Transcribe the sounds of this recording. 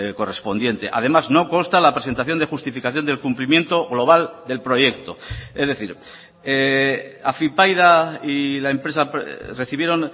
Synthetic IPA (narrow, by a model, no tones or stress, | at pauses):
ko̞re̞spo̞nd̪je̞nt̪e̞̰ʔa̰ð̞e̞mazno̞ko̞nst̪alapɾe̞sent̪aθjo̞nd̪e̞xust̪ifikaθjo̞nd̪e̞lkumplimje̞nt̪o̞ɣlo̞β̞ald̪e̞lpɾo̞je̞kt̪o̞e̞zðe̞θiɾ | eafipajðailae̞mpɾesapre̞θiβ̞je̞ɾo̞n